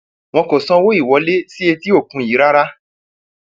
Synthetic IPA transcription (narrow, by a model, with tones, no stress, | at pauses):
w̃ɔ̃˧ko˨sɔ̃˦wo˦i˦˨wɔ˨˦le˦si˦e˧ti˦o˦˨kũ˨˦ji˨˦ɾa˦ɾa˦